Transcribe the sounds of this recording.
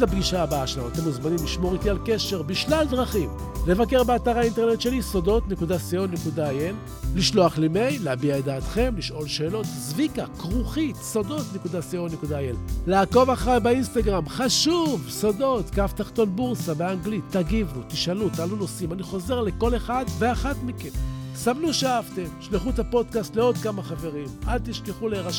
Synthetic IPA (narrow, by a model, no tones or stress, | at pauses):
abɡiʃaːbaaʃelaot̪emuzmanimliʃmo̞ʁitialke̞ʃe̞ʁbiʃlaldʁaχim | le̞vake̞ʁbeataʁhainte̞ʁne̞tʃe̞liso̞do̞tne̞kudasio̞nekudaajelː | iʃlo̞aχleme̞jleabiaed̪aːt̪χe̞mliʃʔo̞lʃe̞ːlo̞tzvikakʁuχit̪sodo̞tnekudasio̞nekudaajellaːko̞vaχʁajbainst̪aɡʁamχaʃuvso̞do̞tkaft̪aχt̪o̞nbuʁsaveaŋɡlit̪ːaɡivnut̪iʃalut̪aluno̞simaniχo̞ze̞ʁle̞ko̞le̞χad̪ve̞aχatmikensamnuʃaavte̞mʃliχuet̪apo̞d̪kast̪leod̪kamaχave̞ʁimʔad̚t̪iʃkeχuleʁaʃ